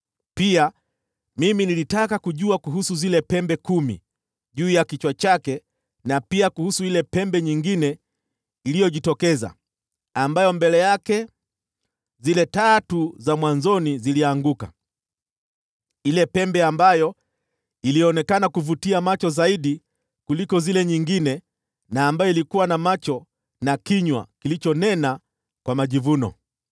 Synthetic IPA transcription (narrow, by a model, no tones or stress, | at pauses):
pia | miminilitakakuʄuakuɦusuzilɛpɛmbɛkumḭ | ʄuːjakit͡ʃwat͡ʃakɛ | napiakuhusuilɛpɛmbɛɲiŋɡinɛ | ilijɔʄitɔkɛza̰ | ambajɔmbɛlɛjakɛ | zilɛtatuzamwanzɔniziliaŋɡuka̰ | ilɛpɛmbɛambajɔ | iliɔnɛkanakuvutiamat͡ʃɔzaiɗi | kulikɔzilɛɲiŋɡinɛ | naːmbajɔilikuwanamat͡ʃɔ | nakiɲwa̰kilit͡ʃɔnɛna | kwamaʄivunɔ̰